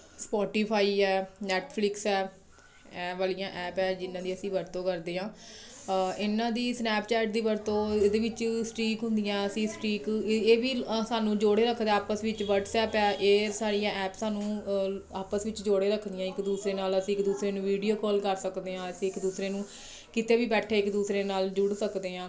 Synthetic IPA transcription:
spɔːʈiːpʰaːiːɛːnɛːʈpʰlɪksɛː | ɛːʋaːlijãːʔɛːpɛːd͡ʒɪnãːd̪iːəsĩːʋəɾt̪õːkəɾd̪eːɦãː | ɪnãːd̪iːsnɛːpt͡ʃɛːʈ̚d̪iːʋəɾt̪õːd̪eːʋɪt͡ʃsʈɾiːkɦʊ̃nd̪ijãːəsĩːsʈɾiːkeːʋiːsaːnũːd͡ʒoːɽeːɾəkʰd̪aaːpəsʋɪt͡ʃʋəʈsɛːpɛːʔeːsaːɾijãːʔɛːpsaːnũːaːpəsʋɪt͡ʃd͡ʒoːɽeːɾəkʰd̪ɪjãːɪkd̪uːsɾeːnaːləsĩːɪkd̪uːsɾeːnũːʋiːɖijoːkɔːlkəɾsəkd̪eːɦãːəsĩːɪkd̪uːsɾeːnũː | kɪt̪eːʋiːbɛːʈʰeːɪkd̪uːsɾeːnaːld͡ʒʊɽsəkd̪eːɦãː

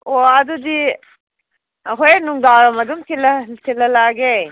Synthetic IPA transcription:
oɐdudi | ɦojnuŋdaɾɐmɐdumkʰilɐsʰilɐlaɡe

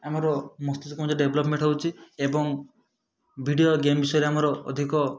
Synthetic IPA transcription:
amɔɾɔmɔst̪it̪ukɔ̃md͡ʒɔɖebʱɔlɔpmẽɳʈɦowt͡ʃʰiebɔŋ | bʱiɽijoɡembisɔjɔɾeamɔɾɔ̰ːd̪ʱikɔ

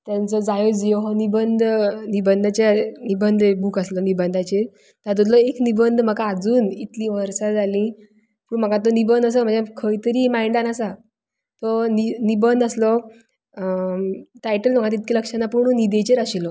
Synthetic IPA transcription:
t̪jant͡sɔd͡zajod͡zeɦɔnibənd̪ʱnibənd̪ʱat͡ɕanibənd̪ʱebuːkaslɔnibənd̪ʱat͡ɕe | t̪ad̪ud̪lɔeknibənd̪ʱm̤əkaːd͡zuːnit̪lĩʋəɾsad͡zʱalĩ | puːɳm̤əɡat̪onibənd̪ʱəs̬əm̤əɳd͡ʑjakʰəjt̪əɾiːmajɳɖanasa | t̪ɔninibənd̪aslɔ | ʈajʈəlməkat̪it̪̚kʰiləkʂanːapuɳ̃unid̪et͡ɕeɾaɕilɔ

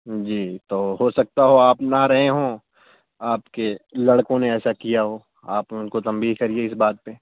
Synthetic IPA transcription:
d͡ʒiːt̪oːɦosɐk̚t̪aɦoaːpnaɾɐɦeɦõ | aːpkelɐɽkõneɛːsakijaɦoː | aːpʊnkot̪ɐ̃mbiːɦkɐɾieɪsbaːt̪̚pe

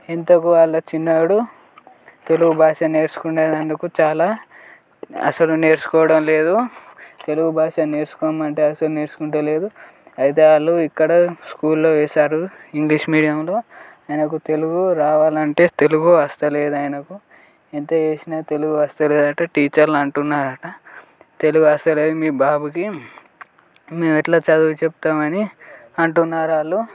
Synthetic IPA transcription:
ent̪ɐkuʋaːɭːɐt͡ʃinːɐːɽu | t̪e̞luɡubʱaːʂɐne̞ːɾsu̥kuɳɖeːd̪ɐnd̪ukut͡ʃaːlaː | ɐ̰sɐlune̞ːɾsu̥kɔːʋɐɽɐmle̞ːd̪ut̪e̞luɡubʱaːʂɐne̞ːɾsu̥kɔːmɐɳʈe̞ːɐsɐlune̞ːɾsu̥kuɳʈɐle̞ːd̪u | ɐjt̪̬e̞ːʋaːɭːuikːɐɽɐskuːlːoːʋɛːsaːɾuiŋɡliʂmiːɽijɐmlo̞ː | ɐjɐnɐk̬ut̪e̞luɡoɾaːʋaːlɐɳʈe̞ːt̪e̞luɡoɐst̪ɐle̞ːd̪uaːjɐnɐku | ent̪eːeːsinaːt̪e̞luɡoɐst̪ɐle̞ːd̪ɐʈɐʈiːt͡ʃɐɾlɐɳʈunːaːɾɐʈɐ | t̪e̞luɡuɐst̪ɐle̞ːd̪umiːbaːbuki | me̞ːmɛʈlaːt͡ʃɐd̪uːt͡ʃeput̪aːmɐni | ɐɳʈunːaːɾaːlːu

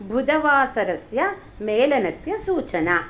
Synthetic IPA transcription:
bʱud̪ɐʋaːsɐɾɐsjɐ | meːlɐnɐsjɐsuːt͡ʃɐnɐ

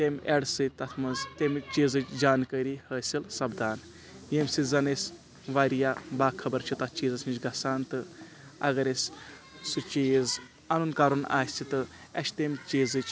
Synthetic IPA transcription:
t̪emʲeɽsɨt̪ɐt̪ʰmɐzt̪emt͡ʃiːzɨt͡ʃd͡ʒaːnkəɾiːhəːsilsɐbd̪aːn | jemʲsizɐnesʲ | ʋaːɾijaːbaːkʰɐbɐɾt͡ʃʰit̪ɐt̪ʰt͡ʃiːzɐsnit͡ʃɡɐsaːnt̪ɨ | ɐ̰ɣɐɾesʲ | sut͡ʃiːz | ɐnunkaɾuna̰ːsʲt͡ʃʰit̪ɨ | ɐʃʰt̪emt͡ʃiːzɨt͡ʃ

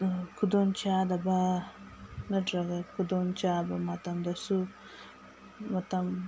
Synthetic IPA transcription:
kʰud̪ont͡ʃaːd̪ɐba | nɐdɾɐɡɐkud̪ont͡ʃaːbɐmɐt̪ɐmd̪ɐsu | mɐt̪ɐm

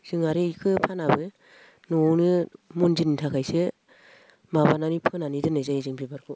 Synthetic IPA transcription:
z̥ɯŋaɾiikʰɯpʰanabɯ | nonɯmunzinitʰakʰajse | mabananipʰɯnanidɯnɯjzajizɯŋbibaɾkʰɯ

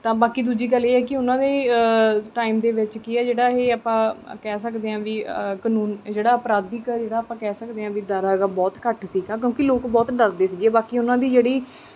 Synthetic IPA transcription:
t̪ãːbaːkiːd̪uːd͡ʒiːɡəlːeːɛːkɪʊnãːd̪eː | ʈaːimd̪eːʋɪt͡ʃkiɛːd͡ʒeːɽaːɦeːaːpãːkɛːsəkd̪eːãːʋiːkənuːnd͡ʒeːɽaːəpɾaːd̪iːkəɾd͡ʒeːɽaːəpãːkɛːsəkd̪eːãːʋiːd̪aːɾaːɡaːbɔːt̪kəʈsiːɡãːk̬jõːkɪloːkbɔːt̪ɖəɾd̪eːsiːɡeːbaːkiːʊnãːd̪iːd͡ʒeːɽiː

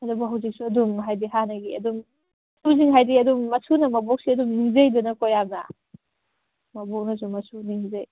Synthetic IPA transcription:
ɐdubuɦɐwzik̚suɐdumɦajdiɦanɐɡiɐ̰dum | sʰuziŋɦajdiɐdumːɐsʰunɐmɐbɔk̚siɐdumniŋzejdunɐkojamnɐ̰ | mɐbɔk̚nɐs̬umɐsʰuniŋzej

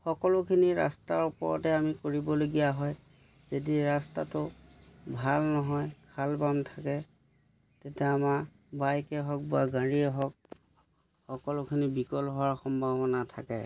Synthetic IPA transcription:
xɔkɔlʊkʰiniɹa̰staɹupɔɹɔ̰tɛamikoɹibɔloɡijaɦɔj | zediɹastatʊbʱalnɔɦɔjkʰalbamtʰakɛ | tetɛamaɹ | bajkɛɦɔk̚baɡãɹiɛɦɔk̚ | xɔkɔlʊkʰinibikɔlɦɔwaɹxɔmbʱabɔnatʰakɛ̰

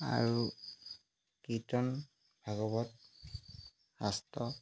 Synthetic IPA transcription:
a̰ɹu | kitɔn | bʱaɡɔbɔt̚ | hastɔ

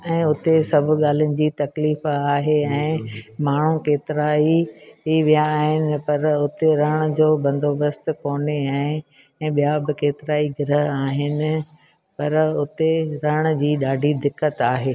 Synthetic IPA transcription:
ɛ̃ːʊt̪esɐbʱʊ̆ɠaːl̤jʊnɪ̆d͡ʑiːt̪ɐkliːfaːɦeɛ̃ːmaːɳ̤ũkeːt̪ɪɾaːiʋijaːɦɪnɪ̆pɐɾʊt̪eɾɐɽ̃ə̆d͡ʑoːbɐ̃nd̪ʱoːbəst̪koːneaːɦe | ɛ̃ːɓijabɪkeːt̪ɪɾaːiɡɪɾəɦaːɦɪnɪ̆ | pɐɾʊt̪eɾɐɽ̃̆d͡ʑiːɗaːɖʱid̪ɪkːət̪aːɦeː

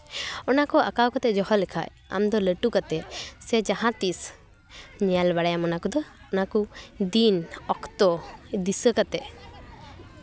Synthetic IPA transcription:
ɔnakɔʔa̰kawkat̪ɛd͡ʒɔhɔlɛkʰa̰j | a̰md̪ɔləʈukat̪ɛsɛd͡ʒaɦãt̪is | ɲalbaɽajamɔnakɔd̪ɔ | ɔnakud̪inɔkt̪ɔd̪isəkat̪ɛ

